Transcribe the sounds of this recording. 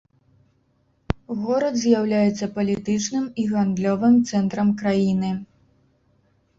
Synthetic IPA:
ɣɔɾɐt̪zʲjawlʲajɛt̪sːɐpɐlʲit̪ɨt͡ʂnɨmiɣand̪lʲɔvɨmt̪sɛnt̪ɾɐmkɾajinɨ

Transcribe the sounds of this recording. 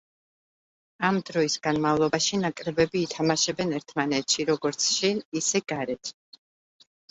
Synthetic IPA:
amd̪ɾɔisɡ̥anmavlˠɔbaʃinakʼɾɛbɛbiːt̪ʰamaʃɛbɛnɛɾt̪ʰmanɛt̪ʰʃiɾɔɡɔɾt̪sʰʃinisɛɡaɾɛt̪ʰ

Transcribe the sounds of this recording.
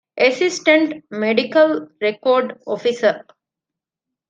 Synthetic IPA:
esisʈẽɳʈmeɖikəlɾekoːɾɖofisə

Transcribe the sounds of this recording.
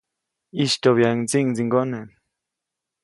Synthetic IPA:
iʃt̪oβjaŋt͡siŋd͡ziŋɡonen

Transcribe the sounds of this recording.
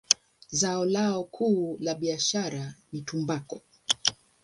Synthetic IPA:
zaɔlaɔkʰuːlaɓiaʃaɾanitumbakɔ

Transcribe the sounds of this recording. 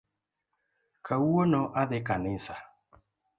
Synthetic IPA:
kʰauɔnɔʔaðɪkanɪsa

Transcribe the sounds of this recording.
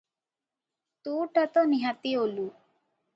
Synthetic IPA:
t̪uʈat̪ɔniɦat̪iolu

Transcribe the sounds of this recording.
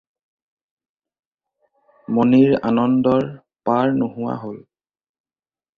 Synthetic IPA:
moniɹa̰nɔndɔɹ | paɹnoɦʊwa̰ɦol

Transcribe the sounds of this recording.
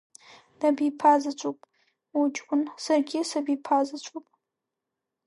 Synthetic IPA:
d̥ɐbipʰaːzɨt͡ʃʷʼupʼ | ut͡ʃʼʷʊnsɐrɡʲɪsɐbipʰaːzɨt͡ʃʷʼupʼ

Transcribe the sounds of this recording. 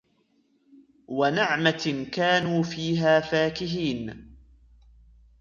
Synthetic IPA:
wanɪʕmakaːnuːfiːɦaːfaːkɪɦiːn

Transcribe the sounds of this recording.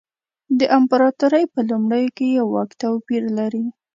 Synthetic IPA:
d̪əʔampaɾɑt̪uɾəjpəlumɽəjokejawːɑkt̪awpiɾlaɾi

